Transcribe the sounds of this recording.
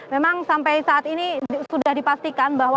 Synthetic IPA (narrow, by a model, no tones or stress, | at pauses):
memaŋsampajsaat̪inisudahdipast̪ikanbaɦwa